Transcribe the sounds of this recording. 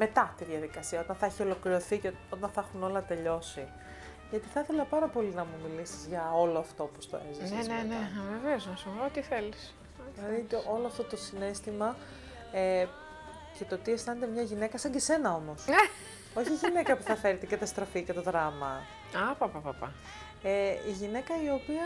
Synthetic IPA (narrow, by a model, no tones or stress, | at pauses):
me̞t̪ɐt̪iðʝɐðikɐsiɐo̞t̪ɐnθɐeçio̞lo̞kliɾo̞θice | o̞t̪ɐnθɐxuno̞lɐt̪e̞ʎo̞si | ʝɐt̪iθɐθe̞lɐpɐɾɐpo̞linɐmumilisi̥zʝɐo̞lo̞ɐft̪o̞post̪o̰ezisneneneveveoznɐsipoot̪iθe̞lis | ɐɾit̪ʔo̞loɐft̪ot̪o̞sine̞st̪imɐ | e | ce̞t̪o̞t̪ie̞st̪ɐne̞t̪e̞mɲɐʝine̞kɐsɐɲɟese̞nɐo̞mo̞se | o̞çiʝine̞kɐpuθɐfe̞ɾt̪ecɐt̪ɐst̪ɾɐficet̪o̞ðɾɐmɐ | ɐpɐpapapɐ̰ | eiʝine̞kɐio̞piɐ